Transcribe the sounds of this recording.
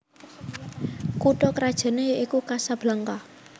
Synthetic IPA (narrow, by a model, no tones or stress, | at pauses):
kuʈɔkəɾad̥ʒ̥a̤nejəʔikukasab̥laŋka